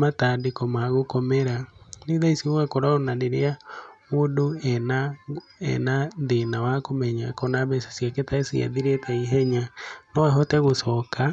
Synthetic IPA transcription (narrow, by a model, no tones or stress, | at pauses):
matadekɔmaɣokɔmeɾaneðaisiowɛkoɾaɔnaneɾeamodoɛna | ɛ̰naðenawakomɛɲakɔnaβɛsḁsjaketaesia̰ðiɾetɛiɦɛɲanɔaɦɔtɛɣosɔka